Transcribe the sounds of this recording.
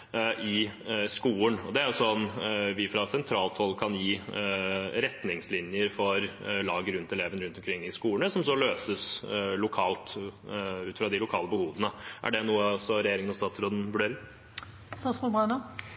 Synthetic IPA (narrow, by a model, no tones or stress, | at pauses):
ʔɪskuːənɔd̪ɛæɾʊsɔnʋɪfɾɑsɛnt̪ʰɾɑːlt̪hɔlːkʰɑnjiː | ɾɛt̪nɪŋslɪnjəɾfɔɾlɑːɡəɾʉnt̪ɛleːʋənəɾʉnt̪ɔmkʰɾɪŋːɪskuːəɳəsɔmsɔløːsəslʊkʰɑːlt̪ | ʉːt̪ɪ̥fɾɑd̪ɪlʊkʰɑːləbəhuːʋənəʔæ̰ɖɛnuːəɔsɔɾɛjeːɾɪŋənɔst̪ɑːt̪sɾoːd̪ənʋʉɖeːɾɪŋ | st̪ɑsmɔbɑɳɑ